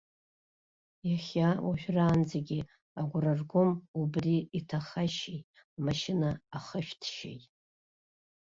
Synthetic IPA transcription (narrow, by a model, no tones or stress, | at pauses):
jaχʲawaʒᶣraːnd͡zeɡʲi | aɡʷʊrarɡʷʊmubriitʰaχaʃejt | amaʃɪnaːχəʃᶣtʰʃḛjtʼ